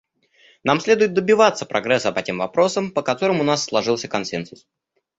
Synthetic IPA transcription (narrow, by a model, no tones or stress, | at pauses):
namsʲlʲe̞d̪ʊjɪt̪̚d̪əbʲɪvat̪səpɾʔɐɡɾɛsːəpɐtʲe̞mvɐpɾo̞səmpəkɐt̪o̞ɾəmʊnasːlˠɐʐɨlˠsʲəkɐnsɛnsʊs